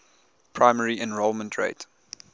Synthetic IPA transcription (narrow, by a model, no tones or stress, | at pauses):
pʰɹaɪmɛɹiʔɛ̃nɹoʊlˠmə̃ntʰɹḛɪt